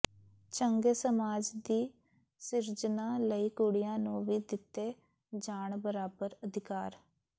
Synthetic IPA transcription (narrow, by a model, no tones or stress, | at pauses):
t͡ʃəŋɡeːsəmaːd͡ʒd̪iː | sɪɾd͡ʒnãːləiːkuɽɪjãːnũːʋiːd̪ɪt̪ːeː | d͡ʒaːɳbəɾaːbəɾəd̪ʱɪkaːɾ